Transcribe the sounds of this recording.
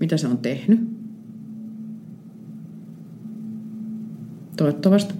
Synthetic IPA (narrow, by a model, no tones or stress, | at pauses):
mit̪æseont̪ehny | t̪oˑet̪ːɑʋɑst̪